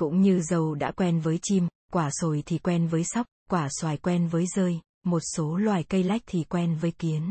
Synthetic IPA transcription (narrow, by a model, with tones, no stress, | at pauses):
kʊ̰˧˥ŋ͡mɲɨ˧zə˨˩wɗa̰ː˧˥kwɛ˧nvəː˨˦jt͡ɕi˧m | kwaː˧˩so˨˩jt̪ʰi˨˩kwɛ˧nvəː˨˦jsa˦˥wk͡p̚kwaː˧˩swaː˨˩jkwɛ˧nvəː˨˦jzəː˧j | mo˨˩t̚so˨˦lwaː˨˩jkə˧jla˦˥jk̚t̪ʰi˨˩kwɛ˧nvəː˨˦jkwi˨˦ən